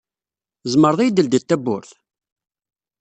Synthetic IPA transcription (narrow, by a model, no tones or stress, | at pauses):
zˤməɾˤðˤijd̪əld̪ət̪ːæbːʊɾθ